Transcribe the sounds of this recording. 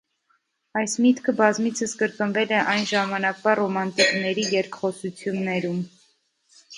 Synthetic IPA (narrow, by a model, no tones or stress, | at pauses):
ɑjsmit̪kʰəbɑzmit͡sʰəsɡəɾkənvɛlɛʔɑjnʒɑmɑnɑkvɑrɔmɑnt̪iknɛɾijɛɾkʰχɔsut͡sʰjunːɛɾum